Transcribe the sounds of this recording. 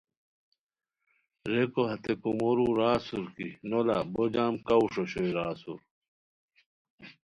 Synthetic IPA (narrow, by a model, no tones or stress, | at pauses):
ɾekoɦɐt̪ekumoɾuːɾaːsuɾkinola̰bod͡ʑaːmkɐwʂoɕoiɾaːsṵɾ